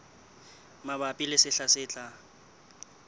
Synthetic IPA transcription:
mabapʼilɪsɪɬasɪt͡ɬʼa

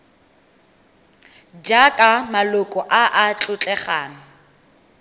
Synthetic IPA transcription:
d͡ʒakʼamalʊkʼɔʔaʔat͡ɬʼʊt͡ɬʼɛχaːnʊ

